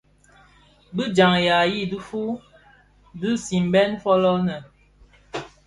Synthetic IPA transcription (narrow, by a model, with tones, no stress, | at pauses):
bɨ˦d͡ʒa˨ŋja˨ji˦˨du˦fu˦ | dɨ˦si˨m˨˦bɛ˦nfɔ˦lɔ˦nə˨